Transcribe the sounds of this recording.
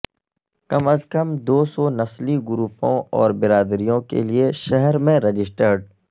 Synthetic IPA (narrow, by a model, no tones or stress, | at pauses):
kɐməzkəmd̪oːsɔːnɐsliɡʊɾuːpõɔːɾbɪɾaːd̪ɾijõkḛlieʃɛɦɛɾmẽɾɐd͡ʒɪsʈəɾɖ